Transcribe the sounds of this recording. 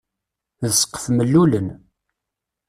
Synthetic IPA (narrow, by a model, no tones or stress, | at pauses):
ðəsqːə̥fməlːulən